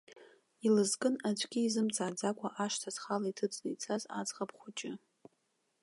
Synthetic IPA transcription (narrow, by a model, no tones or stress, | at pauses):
ilɨzkʼɨnat͡ʃʷʰʼɡʲiːzɨmt͡sʼaːd͡zakʷʰʼaʔaʂtʰazχalaitʰɨt͡sʼnɨjt͡sʰʼaza̰d͡zʁapχʷʊt͡ʃʼɪ